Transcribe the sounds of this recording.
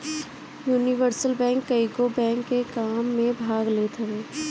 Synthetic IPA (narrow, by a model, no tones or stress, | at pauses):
juːniʋəɾsəlbɛ̃ːŋkːəikobɛ̃ːŋkːekaːmːẽbʱaːɡleːt̪ʰɐʋeː